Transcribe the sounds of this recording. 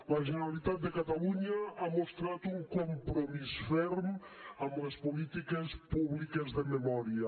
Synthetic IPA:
lɐʒeneɾalit̪at̪̚d̪ekat̪aluɲɐamost̪ɾat̪uŋkompɾomisfɛɾmamɐspolit̪ikɐspuβlikɐzðememɔɾjɐ

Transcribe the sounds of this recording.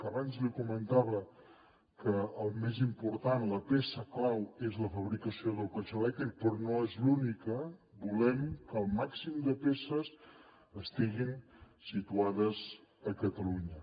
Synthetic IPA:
əβanzlikumənt̪aβə | kəːlˠmezimpuɾt̪anləpesəklawezləfəβɾikəsioðəlˠpət͡ʃolɛk̚t̪ɾik̚pɾɔnoezlunikə | bulɛmkəlˠmaksimd̪əpesəs | əst̪iɣin | sit̪uaðəzəkət̪əluɲə

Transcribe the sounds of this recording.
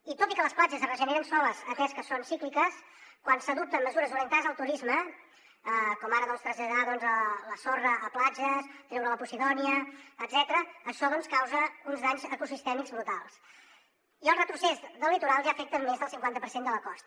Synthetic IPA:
it̪ot̪ikələsplad͡ʒəzrəʒəneɾənsɔləzət̪ɛskəsonsiklikəs | kwansəðup̚t̪əmməzuɾəzuɾiənt̪azəlˠt̪uɾizmə | əkɔmaɾəðɔnst̪ɾəzʎəðaðɔnzələsorəʔːplad͡ʒəst̪ɾɛwɾələpusiðɔniəːd̪z̥ɛt̪əɾəːʃɔðɔnskawzəunzðaɲzəkusist̪ɛmiɡzβɾut̪alˠs | iəlˠrət̪ɾusɛzðəlːit̪uɾalˠʒaəːfɛk̚t̪əmmːezðəlˠsiŋkwant̪əpəɾsend̪ələkɔst̪

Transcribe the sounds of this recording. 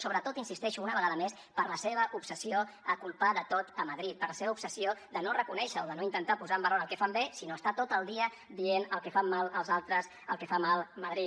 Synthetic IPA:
soβɾət̪ot̪insist̪ɛʃuunəβəɣaðəmes | pəɾləseβ̞əʔupsəsioəkulˠpaðət̪ot̪əməðɾit̪̚pərləseβəupsəsiod̪ənorəkunɛʃəoðənoint̪ənt̪apuzaəmbəronəlˠkɛfambesinoəst̪at̪ot̪əlˠd̪iə | d̪ienəlˠkɛfamːalˠəlˠzalˠt̪ɾəs | əlˠkɛfamalˠməðɾit̪

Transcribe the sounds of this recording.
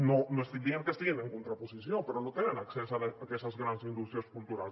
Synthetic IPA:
nonoest̪iieŋkest̪iɣeneŋkunt̪ɾapusisjopəɾonot̪enenaksɛsalaakɛst̪azɣɾansind̪ust̪ɾiaskult̪uɾal

